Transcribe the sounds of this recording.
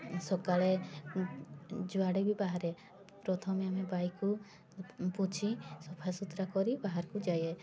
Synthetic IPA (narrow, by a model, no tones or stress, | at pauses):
sɔkaɭe | d͡ʒuaɽebʱibaɦaɾɛ | pɾɔt̪ʰɔmeamebajku | put͡ʃʰisɔpʰajsut̪ɾakɔɾibaɦaɾkud͡ʒaje